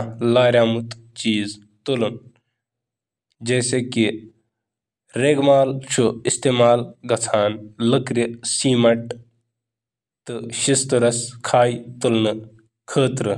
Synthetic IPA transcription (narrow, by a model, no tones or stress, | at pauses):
laːɾjaːmut̪ | t͡ʃiːz | t̪ulun | d͡ʒeːseki | ɾeːɡmaːlt͡ʃʰuist̪eːmaːlɡɐt͡sʰaːnləkɾisiːmɐʈ | t̪ɨʃist̪uɾɐskʰaːjt̪ulnɨ | kʰəːt̪ɾɨ